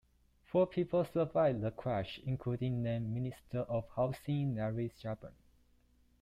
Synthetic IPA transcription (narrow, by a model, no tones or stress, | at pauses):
fɔpʰipəlsəvaɪvdəkʰɹæʃĩŋkʰludĩŋdɛ̃ministʰəʔɔfhaʊsĩŋnɛɹisd͡ʒapə̰̃n